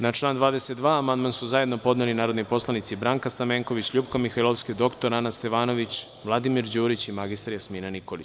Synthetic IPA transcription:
nat͡ʃlˠaːnd̪ʋaːd̪e̞set̪̚d̪ʋaːamand̪mansuzajed̪nopo̞d̪nelinaːɾod̪nijpo̞slˠanit̪sibɾaːŋkast̪ameŋko̞ʋit͡ɕʎupkamixailˠo̞fsked̪o̞kt̪oɾanast̪e̞ʋaːno̞ʋit͡ɕ | ʋlˠad̪imiɾd͡ʑuːɾit͡ɕimaɡist̪aɾjasmiːnaniko̞lit͡ɕ

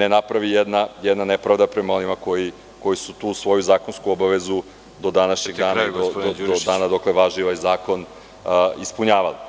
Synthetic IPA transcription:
nenapɾaʋijɛd̪najɛd̪nanepɾavd̪apɾemao̞nimako̞ji | ko̞jisut̪uːsʋo̞juzaːko̞nskuobaʋezu | d̪o̞d̪anaʃɲeɡd̪aːnad̪od̪od̪od̪aːnad̪okleʋaʒiʋajzaːko̞n | ispuɲaːʋali

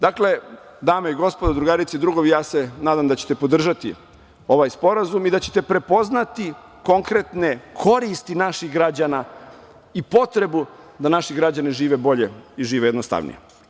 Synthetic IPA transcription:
d̪akle̞ | d̪aːmeiɡo̞spo̞d̪ad̪ɾuɡaɾit̪seid̪ɾuɡoʋijaːse̞naːd̪amd̪at͡ɕe̥t̪e̞pod̪r̩ʒat̪ḭ | o̞ʋajspo̞ɾazumid̪at͡ɕe̥t̪e̞pɾe̞po̞znat̪i | ko̞ŋkɾe̞t̪ne̞kʰo̞ɾist̪inaʃiɣɡɾad͡ʑana | ipo̞t̪ɾe̞bud̪anaʃiɡɾad͡ʑaniʒiːʋe̞bo̞ʎe̞iʒiːʋejed̪nost̪a̰ʋnḭje

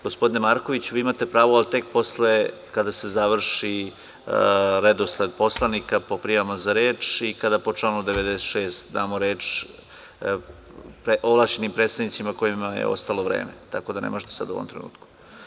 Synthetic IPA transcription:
ɡ̥o̞spo̞d̪inemaːɾkoʋit͡ɕuʋiːimat̪e̞pɾaːʋoalt̪e̞k̚po̞sle | kad̪ase̞zaʋr̩ʂi | ɾed̪osled̪̚po̞slˠanikapo̞pɾijaʋamazaɾeːt͡ʂikad̪apo̞t͡ʃlaːnud̪eʋed̪eset̪ʃeːst̪d̪aːmoɾeːt͡ʃ | pɾeʔoʋlˠaʃt͡ʃenimpɾeːt̪st̪aʋnit̪simako̞imajḛo̞̰st̪alo̞ʋɾḛːmḛt̪akod̪anḛmoʒet̪esa̰d̪ṵʋomt̪ɾenṵːt̪ku̥

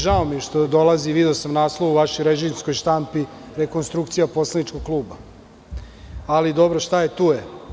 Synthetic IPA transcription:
ʒaomiʃt̪o̞d̪o̞lˠaziʋid̪eosamnaːslˠoʋuʋaʃojɾeʒimsko̞jʃt̪ampi | ɾe̞ko̞nst̪ɾuk̚t̪sijapo̞slˠenit͡ʃkoɡ̚klˠuːba | alid̪o̞bɾo̞ʃt̪ajet̪uːje

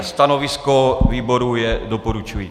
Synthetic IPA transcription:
st̪ano̞vɪskoviːbo̞ɾujɛdo̞poɾut͡ʃuji

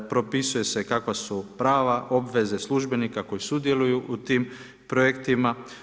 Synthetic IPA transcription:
pɾo̞pisuje̞se̞kakʋasupɾaːʋaʔo̞bʋe̞ze̞slˠuʒbe̞nikako̞jisud̪je̞lujuʔut̪iːm | pɾojekt̪ima

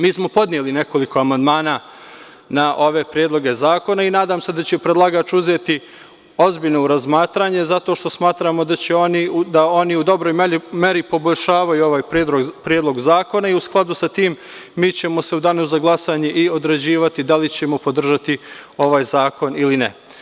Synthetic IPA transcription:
miːsmo̞po̞d̪nijeline̞ko̞liko̞amand̪maːnaː | naʔo̞ʋe̞pɾjed̪lˠo̞ɡe̞zaːko̞nainaːd̪aːmse̞d̪at͡ɕepɾed̪lˠaɡaːt͡ʃuzeːt̪i | o̞zbiʎnouɾazmaːt̪ɾaːɲe̞zat̪o̞ːʃt̪o̞smaːt̪ɾaːmo̞d̪at͡ɕe̞onid̪ao̞niud̪o̞bɾoːjmeme̞ɾipo̞bo̞ʎʲʃaːʋajuo̞ʋaːjped̪oɡpɾjed̪lˠo̞ɡzaːko̞naiusklˠad̪usat̪iːmː | iːt͡ɕe̞mo̞se̞ud̪anoszaɡlˠasaːɲe̞ʔio̞d̪ɾed͡ʑiːʋat̪id̪alit͡ɕe̞mopo̞d̪r̩ʒat̪io̞ʋaːjzaːko̞nilinḛ

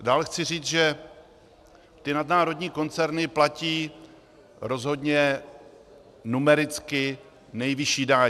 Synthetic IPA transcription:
daːlɛxt͡sɪr̝iːt͡sʒɛ | t̪ɪnadnaːɾo̞dɲiːko̞nt͡sɛɾnɪplaciː | ɾo̞zɦo̞dɲɛ | numɛɾɪt͡skɪ | nɛjvɪʃiːdaː

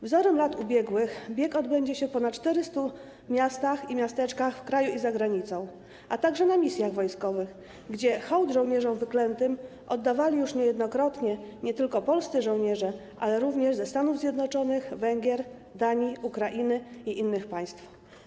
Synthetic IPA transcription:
vzɔɾɛmlat̪ubʲjɛɡwɘxbʲjɛkɔd̪bɛɲd͡ʑɛɕɛpɔnatt͡ʂt̪ɛɾɘst̪u | mʲjast̪aximʲjast̪ɛt͡ʂkaxfkɾajuizaɡɾaɲit̪sɔ̃w̃ | ʔat̪aɡʐɛnamʲisʲjaɣvɔjskɔvɘx | ɡd͡ʑɛxɔwd̪ʐɔ̃w̃ɲɛʐɔwvɘklɛnt̪ɘm | ʔɔd̪ːavalʲijuʂɲɛjɛd̪nɔkɾɔt̪ɲɛɲɛt̪ɘlkɔpɔlst̪sɘʐɔ̃w̃ɲɛʐɛʔalɛɾuvɲɛʐzɛst̪anuvzʲjɛd̪nɔt͡ʂɔnɘxvɛŋɡʲjɛɾ | d̪aɲiukɾaʔinɘiʔinːɘxpaj̃st̪f

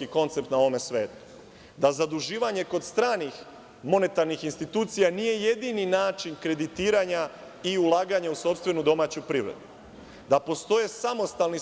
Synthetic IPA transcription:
kiko̞nt̪se̞p̚t̪nao̞ʋome̞sʋe̞ːt̪u̥ | d̪azad̪uʒiːʋaɲe̞ko̞d̪st̪ɾaːnix | mo̞ne̞t̪aɾnixinst̪it̪uːt̪sijanije̞je̞d̪ininaːt͡ʃinkɾe̞d̪it̪iːɾaɲa | iulˠaːɡaɲauso̞pst̪ʋe̞nud̪o̞maːt͡ɕupɾiʋɾḛd̪u | d̪apo̞st̪o̞jesamo̞st̪alni

